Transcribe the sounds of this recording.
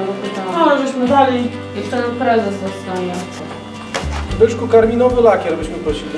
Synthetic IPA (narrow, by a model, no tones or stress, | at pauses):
vɔpɨt̪aɔlɛbɘɕmɘvalʲi | jɛstɛnpɾɛzɛsɔt̪st̪avɛ | vbɘʂkukaɾmʲinɔvɘlakʲɛɾbɘɕmɘpɾɔɕilʲi